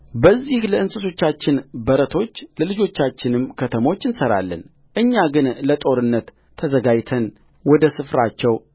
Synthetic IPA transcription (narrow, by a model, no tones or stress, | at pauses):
bəzːihləɨnsɨso̞t͡ʃːat͡ʃːɪnbəɾət̪ʰo̞t͡ʃːləlɨd͡ʒo̞t͡ʃːat͡ʃːɪnɨmkʰət̪ʰəmo̞t͡ʃːɨnsəɾa̰lːə̰n | ʔɨɲːaɡɨnlət̪ʼo̞ɾɨnːət̪ʰː | əzəɡajt̪ʰən | wɔd̪əsɨfɾat͡ʃːɛw